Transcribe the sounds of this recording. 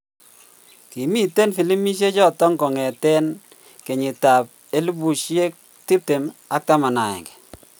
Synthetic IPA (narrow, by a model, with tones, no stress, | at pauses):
ki˨mi˦te˦nfi˨li˦mi˦ʃ̬e˦t͡ʃɔ˦tɔ˦ŋkɔ˨ŋɛ˨tɛ˦n | ke˨ɲɪ˨ta˨p̚ | e˦lu˦bu˨ʃje˦k̚ | ti˦p̚te˨ma˦k̚ta˦ma˨na˨ɛ̰˨ŋɡɛ̥˨